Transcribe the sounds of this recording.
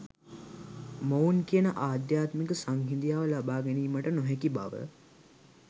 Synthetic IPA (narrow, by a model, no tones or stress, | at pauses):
mounkijənəʔaːd̪jaːt̪mikəsaŋɦind̪ijaːʋəlabaːɡɛniːməʈənoɦɛkiba̰ʋə̰